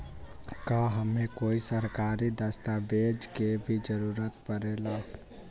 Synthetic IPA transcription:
kəɦəmekoisəɾkaɾid̪əst̪abed͡ʒkebʱid͡ʒəɾuɾət̪pəɾela

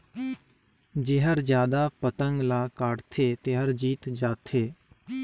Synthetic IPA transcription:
d͡ʒɪɦəɾd͡ʒjaːd̪aːpət̪əŋɡlaːkaːɽt̪ʰeːt̪eɦəɾd͡ʒiːt̪d͡ʒaːt̪ʰeː

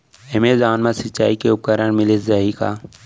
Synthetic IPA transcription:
emezaːnmãsɪt͡ʃa̰ːikeʊp̚kəɾənmɪlɪszɐɦikaː

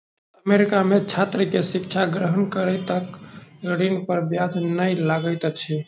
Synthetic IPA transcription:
əmeɾikamet͡ʃʰat̪ɾəkesikt͡ʃʰaɡɾəɦənkəɾəjt̪əkɡəɽinpəɾbjad̪ʱnəjlaɡəjt̪t͡ʃʰi

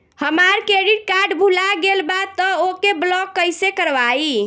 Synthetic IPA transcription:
həmaɾkɾeɽiʈ̚kaɾɖbʱulaɡelbat̪ːəokːeblɔkːəjsekəɾʋai

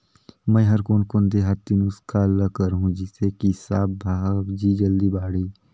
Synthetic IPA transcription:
mɛ̃ɦɐɾkoːnkoːnd̪eɦat̪ːinʊskʰaləkəɾɦũd͡ʒɪsekisa̰ːbbʱaːbd͡ʒiːd͡ʒəld̪ibaːɽiː

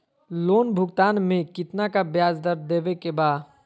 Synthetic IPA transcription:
loːnbʱʊɡt̪aːnmẽkɪt̪nakabjaːd͡ʒd̪əɾd̪ebekebaː

